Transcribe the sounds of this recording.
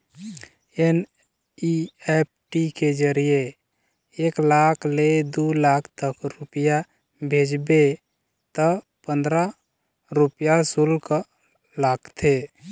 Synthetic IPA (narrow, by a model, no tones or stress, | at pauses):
en | iep̚ʈiked͡ʒəɾije | eklakʰled̪ulakʰt̪əkɾupja | bʱed͡ʒbe | t̪ə | pə̃nd̪ɾa | ɾupjasulk | laɡt̪ʰe